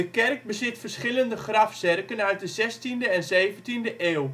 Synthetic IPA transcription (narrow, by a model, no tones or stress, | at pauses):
əkɛrk̚bəzɪtfərsχɪləndəχrafsɛrkənœɥt̚dəzɛstindəɛnzeːvəntindəʔeːw